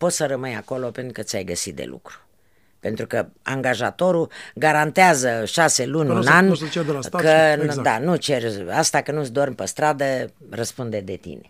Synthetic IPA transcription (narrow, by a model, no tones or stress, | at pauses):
po̞t̪səɾəmɨjako̞lo̞pent̪ɾukət̪sʲajɡəsit̪̚d̪ḛlṵkɾu̥ | pent̪ɾukəa̰ŋɡaʒat̪o̞ɾuɡaɾant̪eazəʃase̞lunʲunant͡ʃekəd̪anut͡ʃe̞rast̪akənusd̪ormpəst̪ɾad̪ə | rəspund̪e̞d̪e̞t̪ḭne